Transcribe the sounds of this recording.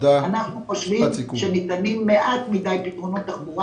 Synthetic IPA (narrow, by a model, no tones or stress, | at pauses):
anaχnuχoʃvimʃenit̪animːeʔat̪mid̪ajpit̪ʁunot̪ːabuʁa